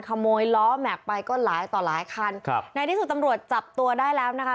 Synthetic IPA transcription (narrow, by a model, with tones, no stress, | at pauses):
nkʰa˧moː˧jlɔː˦˥mɛ˨˩k̚pa˧jkɔː˥˩laː˨˩˦jt̪ɔː˨˩laː˨˩˦jkʰa˥˩n˧na˧jt̪ʰiː˦˥˩su˨˩t̪̚ːa˧mɾu˨˩ət̪̚t͡ɕa˨˩p̚t̪u˧ɐdaː˥˩jlɛː˦˥wna˦˥kʰa˥